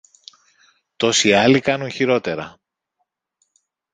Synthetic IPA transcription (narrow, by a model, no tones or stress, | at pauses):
t̪o̞siɐlikɐnunçiɾo̞t̪e̞ɾɐ